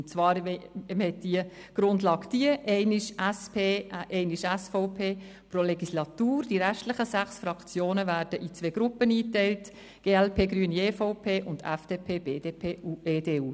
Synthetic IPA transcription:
ʊnt͡svɑːɾmhɛt̚d̥iə | ɡ̥ɾʊndlɑːkd̥iəʔɛɪnɪʃʔɛspʰeːʔɛɪnɪʃɛsfɔʊpʰeː | pɾolɛɡislɑtuːrd̥iɾæχtlɪχəsæχsfɾɑkt͡sjoːnəvæːɾd̥əʔit͡sʋeːɡɾʊpəniːtɛɪlt | ɡ̥eːɛlpʰeːɡɾyːənieːfɔʊpʰeːʔʊndɛfd̥eːpʰeːb̥eːdepʰeːu̥eːdeːuː

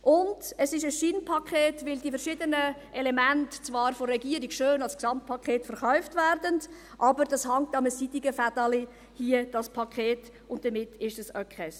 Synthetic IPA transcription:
ʔʊnd̥əsɪʃəsʃinpʰɑkʰχeːtvɪldifəɾʃɪdənəʔɛlɛmæntt͡svɑːɾfɔɾrːɛɡiəɾiɡʃøːnɑlsksɑmt̚pʰɑkʰχeːtfəɾχœʏftværdənd | ʔɑbəɾd̥ɑshɑŋtɑməsidiɡəfad̥ɑli | hiəd̥ɑspʰɑkʰeːt | ʊnt̚d̥əmɪtɪʃdəsœkɛs

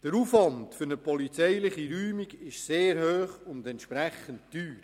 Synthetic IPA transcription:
d̥əɾufʋɑntfʏɾnəpʰɔlit͡sɛjlɪχiɾyːmiɡɪʃseːɾhøːχʊndɛntʃpɾɛχəntdyːɾ

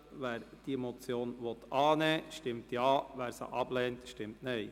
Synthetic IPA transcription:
ʋæːɾd̥imɔt͡sjoːnʋɔt̪ɑːnɛːʃtɪmtjɑːʋæːɾsə̰ʔɑb̥lɛːnt̪ʃtɪmtnɛɪ

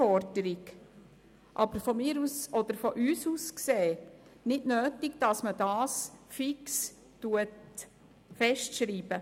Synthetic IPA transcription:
ɔɾd̥əɾɪɡ | ʔɑbəɾfɔmɪːɾusɔd̪əɾfɔʔyːsuskseːnɪdnøːtɪɡd̥ɑsmədɑːsfɪks | tuət | fɛʃtʃɾiːbə

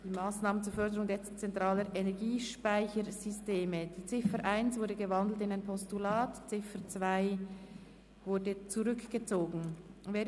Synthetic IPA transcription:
d̥iːmaːsnaːmənt͡suːfœʁdəɾʊŋdeːɐt͡sɛntʁaːləɾʔenɛʁɡiːʃpaɪçəɾzʏsteːməd̥iːt͡sɪfəɾʔaɪnsvʊɾdəɡəvɑndl̩tɪnaɪnpʰɔstulaːtt͡sɪfət͡svaɪ | vʊɾdət͡suʁʏkɡ̥ət͡soːɡn̩vɛː

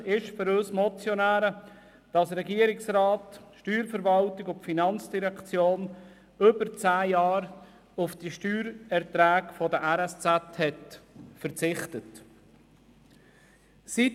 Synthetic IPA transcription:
ɪʃfʏɾøːsmɔt͡sjɔnæːɾə | d̥ɑsɾɛɡiːəɾɪksrɑːtʃtyːɾfəɾvɑltɪɡʊpfinɑnt͡sd̥iɾɛkt͡sjoːn | ʏbəɾt͡sæːjɑːɾ | ʊfd̥iʃtyːɾɛʁtɾæːɡfɔdəʔæɾɛst͡sæthɛtfəɾt͡sɪχtət | sit

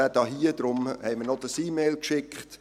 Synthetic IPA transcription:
ædɑɦiəd̥̪ɾʊmhɛɪmənɔd̥̪əsiːmɛɪlkʃɪkχt

